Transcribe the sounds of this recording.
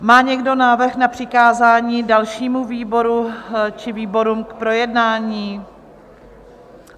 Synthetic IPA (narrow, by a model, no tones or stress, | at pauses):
maːɲɛɡdo̞naːvr̩xnapr̥ɪkaːzaːɲiːdalʃiːmuviːbo̞ɾut͡ʃɪviːbo̞ɾuːmkpɾo̞jɛdnaːɲiː